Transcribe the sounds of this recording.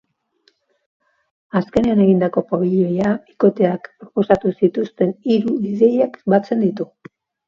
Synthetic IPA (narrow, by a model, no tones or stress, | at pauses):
aske̞ne̞ane̞ɣind̪ako̞paβiʎo̞jaiko̞t̪e̞akpɾo̞po̞sat̪usit̪ust̪e̞niɾuiðe̞jakbat͡se̞nd̪it̪u